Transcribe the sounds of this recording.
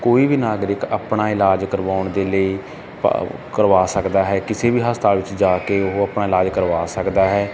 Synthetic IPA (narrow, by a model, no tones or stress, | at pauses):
koːiːbiːnaːɡɾɪka̰ːpɳaːɪlaːd͡ʒkəɾʋaːʊɳd̪eːləḭː | kəɾʋaːsəkd̪aːɦɛːkɪseːbiːɦəst̪aːʋɪt͡ʃd͡ʒaːkeːʊɦəpnaːɪlaːd͡ʒkəɾʋaːsəkd̪aːɦɛː